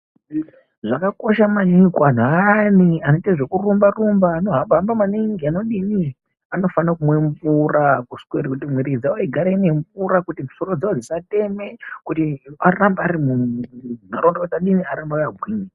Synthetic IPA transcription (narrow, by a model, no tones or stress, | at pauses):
ʐakako̞ʃamanikwan̤anianoteʐe̞kurumbarumbaːno̞ɦabambamaniŋɡiano̞ɗini | ano̞fanakumweɱvurakuskweɾikutimwiɾid͡zaoiɡʱaɾeine̞ɱvuɾakutimusoɾod͡zaod͡zisate̞me̞kutiarambaːɾimumnaɾondakutiaɗiniaɾambakabʱwiːŋi